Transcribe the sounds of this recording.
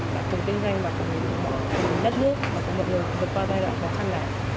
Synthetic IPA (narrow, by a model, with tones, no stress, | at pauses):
ɓaː˨˩t͡ɕʰʊ˨˩ŋ͡mt̪ï˧ŋza˧jŋmaː˨˩kʊ˨˩ŋ͡mḭ˨˩˨ɗmɔ̰˧˨˩a˨˧˩mi˨˩ɗə˦˥t̚nɨ˦˥ək̚maː˨˩kɔ˨˦mɔ̰˧˨jŋɨ˨˩əjɗɨ˨˩k̚kwaː˧zaː˧jzwa̰ː˧˨ɓaː˨˩t͡ɕʰa˧naː˨˩